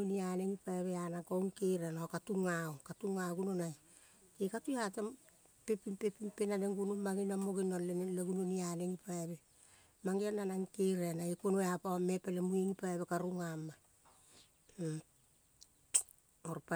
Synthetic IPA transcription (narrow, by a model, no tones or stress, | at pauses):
unianeŋipaeβeanakowŋkejɾenokatuŋaokatuŋaɡunonaj | kekatuatam | pepimpepimpenaneŋɡunuːaɡinamoɡinonleleɡununianeŋipaeβe | maŋɡiananaŋkejɾenaikonoeapawamepelemuiŋipaeβekaɾuŋamːa | oɾpa